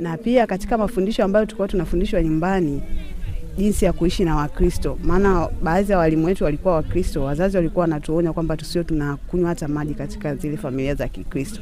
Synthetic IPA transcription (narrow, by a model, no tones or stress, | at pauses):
napiakati̥kamafundiʃɔambajɔtu̥kuatunafundiʃwaɲumbani | ʄinsijakuiʃinawakɾistɔmaːnaɓaːzijawalimuwɛtuwalikuwawakɾistɔwazaziwalikuawnatuɔɲakwambatu̥siɔtunakuɲwatamaʄikati̥kazilɛfamiliazakikɾistɔ̥